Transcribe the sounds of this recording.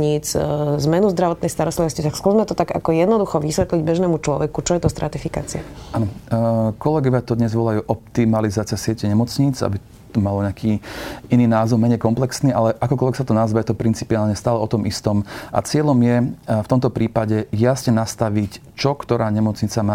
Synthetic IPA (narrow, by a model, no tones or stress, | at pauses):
ɲit͡szmɛnuzd̪ɾaʋɔt̪nɛjst̪aɾɔst̪liʋɔscit̪akskuzmɛt̪ɔt̪aɡa̰kɔjɛd̪nɔd̪uxɔʋisʋɛt̪liɟbɛʒnɛːmut͡ʃlɔʋɛkut͡ʃɔjɛt̪ɔst̪ɾʔat̪ifika̰t͡sia̰anɔkɔlɛɡɔʋɪat̪ɔd̪ɲɛzʋɔlajuːʔɔp̚t̪imalizaːt͡sɪasɪɛcɛɲɛmɔt͡sɲiːd͡za̰bi | t̪ɔmalɔɲɛakʰiːiniːnaːzɔmɛɲɛjkɔmplɛksniːʔalɛʔakɔkɔlʋɛksat̪ɔnazʋajɛt̪ɔpɾint͡si̥piaːlɲɛst̪aːlɛɔt̪ɔmist̪ɔmʔa̰t͡sɪɛʎɔmjɛft̪ɔmt̪ɔpɾiːpaɟɛjasɲɛnast̪aʋic | t͡ʃɔkt̪ɔɾaːɲɛmɔt͡sɲit͡samaː